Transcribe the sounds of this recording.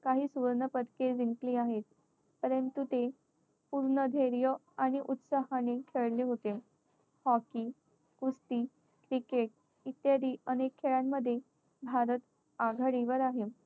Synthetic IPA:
kaɦiːsuʋəɾɳəpəd̪ked͡ziŋkliːaɦet̪̚ | pəɾənt̪ut̪e | puɾɳəd̪ʱeɾjə | aɽ̃iʔut̪saɦanekʰeɭleɦot̪e | hɔkiː | kust̪iː | kɾikeʈ̚ | it̪jad̪iːənekʰːeɭjamːəd̪ʱːje | bʱaɾət̪ | aɡʱaɽiʋəɾaɦe

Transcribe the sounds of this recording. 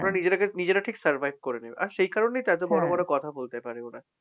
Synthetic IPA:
oɾanid͡ʑeɾakenid͡ʑeɾaʈʰiksɐɾbʱajb̚ʱkoɾenebeʔaɾʃejkaɾonejt̪at̪̬obɔɾobɔɾokɔt̪ʰabolt̪epaɾeona

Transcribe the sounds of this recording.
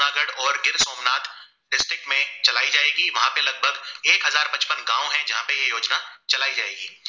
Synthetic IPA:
aːɡəɽɔːɾɡɪɾsoːmnaːt̪ | ɖɪsʈɾɪk̚ʈmẽt͡ʃɐlaːid͡ʒaːeːɡiʋɐɦãpelɐɡ̚bʱəɡeːkɦɐzaːɾbɐt͡ʃpənɡãːõɦɛ̃d͡ʒɐɦãpejejoːd͡ʒnat͡ʃɐlaːid͡ʒaːeːɡiː

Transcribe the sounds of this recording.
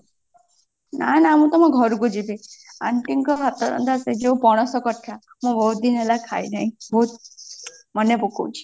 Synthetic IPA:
na̰naamũt̪ɔmɔ̃ɡʱɔɾuɡud͡ʒibia̰ɳʈiŋkɔɦat̪ɔɾɔ̰nd̪ased͡ʒeũpɔɽ̃ɔsɔkɔʈʰa | mũbɔɦut̪̚d̪inelakʰajnaɦĩbɔɦut̪̚ | mɔnjɔpuko̰wt͡ʃʰi̥

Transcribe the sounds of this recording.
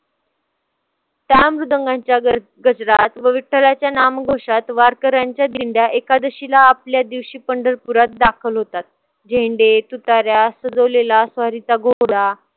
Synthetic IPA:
t̪amɾud̪əŋɡãɲt͡ɕja | ɡəd͡zɾat̪ʋəʋiʈʰːəlat͡ɕjanamɡʱoʂat̪ʋaɾkəɾaɲt͡ɕjad̪iɳɖjaʔekad̪əɕilaːpljad̪iʋɕiːpəɳɖəɾpuɾat̪̚d̪akʰəlɦot̪at̪̚ | d͡ʑʱeɳɖet̪ut̪aɾjasəd͡zəʋlelasʋaɾit̪aɡoɽa

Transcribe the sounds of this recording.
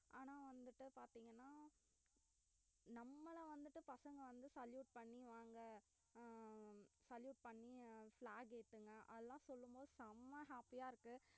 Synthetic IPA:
ʔaːnãːʋɐnd̪ɯʈːɯpaːɾt̪iːŋɡɐnːaː | nɐmːɐlɐʋɐnd̪ɯʈːɯpɐsɐŋɡɐʋɐnd̪ɯsɐljuːʈ̚pɐɳːiʋaːŋɡɐ | sɐljuːʈ̚pɐɳːiflaːɡeːt̪ːɯŋɡɐʔɐ̰ðɐlãːsɔlːɯmboːðɯsɐmːɐɦaːpijaːɪɾɯkːɯ

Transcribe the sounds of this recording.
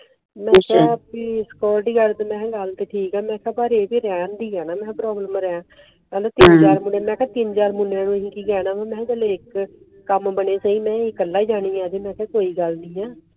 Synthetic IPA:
mɛ̃kʰɛːpiːskɔːɾɖiːɡəɾd̪mɛ̃ːɡəlt̪eːʈʰiːkɛːmɛ̃ːkʰɛːbaːɾeːbiːɾɛːnd̪iːɛːnaːmɛ̃ːpɾɔːbləmɾɛãː | aːloːt̪ɪnd͡ʒaːɾmʊneːmɛ̃ːkɛːt̪ɪnd͡ʒaːɾmʊnãːnũːɦĩːkiːɡɛːnãːbəmɛ̃ːd͡ʒəleːɪkː | əmbəneːt͡ʃaːĩːmɛ̃ːɪkəlːaːid͡ʒaːniːãːd̪eːmɛ̃ːkɛːkoːiːɡəlnĩːɛː

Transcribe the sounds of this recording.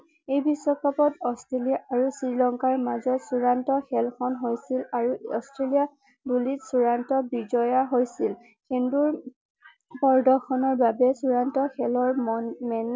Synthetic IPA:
ejbiswɔkʰapɔtɔstɹelijaʔaɹusɹiɹlɔŋkaɹmazɔtsuɹantɔxɛlxʰɔnɦojsilaɹuɔstɹelija | bulitsuɹantɔbid͡ʒɔjaɦojsil | kenduɹ | pɔɹdɔxʰɔnɔɹbabɛsuɹantɔxɛlɔɹmɛn

